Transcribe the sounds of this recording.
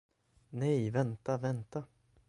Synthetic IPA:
nɛjvɛnt̪avɛnt̪a

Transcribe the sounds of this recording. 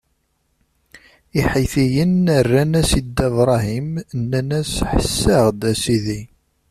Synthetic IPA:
iħiθijənərːænæsid̪ævɾˤɑɦimnːænæsħəsːəʁd̪æsiði

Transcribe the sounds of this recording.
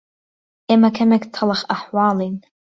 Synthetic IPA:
emakʰamɛktʰalaχaħwalejn

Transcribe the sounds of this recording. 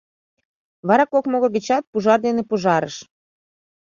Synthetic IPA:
βɑɾɑkokmoɣoɣĕt͡ɕɑt̪̚puʒɑrd̪enepuʒɑɾəʃ

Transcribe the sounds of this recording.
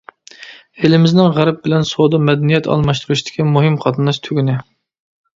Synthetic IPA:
elɪmɪznɪŋʁæɾɛp̚bɪlɛnsod̪ɑmɛd̪ɛnijɛt̪ʰɑ̰lˠmɑʃt̪uɾuʃt̪ʰɪ̥kʲʰimuɦɨmqʰɑt̪ɨnɑʃt̪ʰyɡʲynɪ

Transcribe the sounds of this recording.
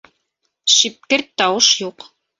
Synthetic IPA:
ʃip̚kɘɾt̪ːɑwɤʃjuq

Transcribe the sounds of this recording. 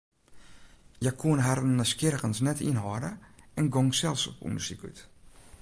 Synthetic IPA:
jakʰuənɦarnːəskɪrkənsnɛtʰḭnɦɔːdəɛnɡɔŋsɛlˠsɔ̰pṵndəsiky̰t

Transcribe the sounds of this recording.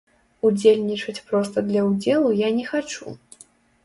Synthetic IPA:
ud͡zʲelʲnʲit͡ʂɐt͡sʲpɾɔst̪ɐd̪lʲɐwd͡zʲɛlˠujanʲɛxat͡ʂṵ

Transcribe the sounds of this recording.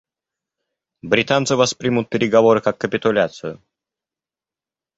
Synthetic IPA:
bɾʲɪt̪ant̪sɨvɐspɾʲimʊt̪̚pʲɪɾʲɪɡɐvo̞ɾɨkakːəpʲɪt̪ʊlʲat̪sɨjʊ

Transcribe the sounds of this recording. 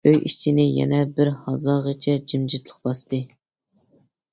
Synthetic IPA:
øjʔit͡ʃʰinɪjɛ̰nɛbɪɾhɑzɑːʁət͡ʃʰɛd͡ʒimd͡ʒit̪lˠə̥qbɑst̪ɨ

